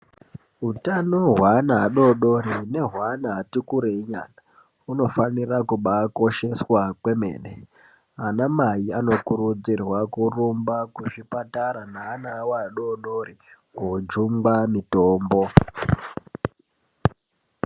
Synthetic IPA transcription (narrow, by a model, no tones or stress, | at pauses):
ɦutanoɦwanaːɗo̞ɗo̞ɾine̞ɦwanaːtikuɾeiɲa̰na | uno̞fanirakuɓako̞ʃe̞swakwe̞mḛːnḛ | anamajiano̞kurud͡zirwakurumbakuʐipataɾanaːnawaɗoɗo̞ɾikod͡ʒumbamitoːmbo̞